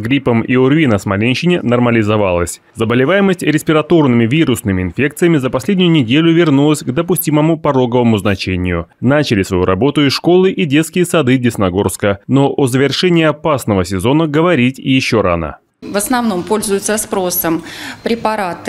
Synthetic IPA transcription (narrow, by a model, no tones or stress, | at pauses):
ɡɾʲipəmiʊrvʲinəsmɐlʲenʲɕɪnʲɪnɐrməlʲɪzɐvalˠəsʲ | zəbəlʲɪvajɪməsʲtʲɾʲɪsʲpʲɪɾɐt̪o̞rnɨmʲɪvʲiɾʊsnɨmʲɪɪnfʲe̞k̚t̪sɨjəmʲɪzəpɐsʲlʲedʲnʲjʊnʲɪdʲelʲʊvʲɪrnulˠəsʲɡd̪əpʊsʲtʲiməmʊpɐɾo̞ɡəvəmʊznɐt͡ɕenʲɪjʊ̰nat͡ɕɪlʲɪsvɐ̰jṵɾɐ̰bo̞t̪ʊɪʂko̞lˠɨʔidʲe̞t̪skʲɪjəsɐd̪ɨdʲɪsnɐɡo̞rskəno̞ʔozəvʲɪrʂɛnʲɪːɐpasnəvəsʲɪzo̞nəɡəvɐɾʲitʲɪjɪɕːo̞ɾa̰nə̰ | vəsnɐvno̞mpo̞lʲzʊjʊt̪səspɾo̞səmpɾʲɪpɐɾat̪ɨ